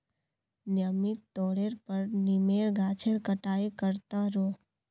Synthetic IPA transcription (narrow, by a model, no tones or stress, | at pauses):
njəmit̪ːoɽeɾpəɾnimeɭɡʱat͡ʃʰeɭkəʈaekəɾt̪aɾo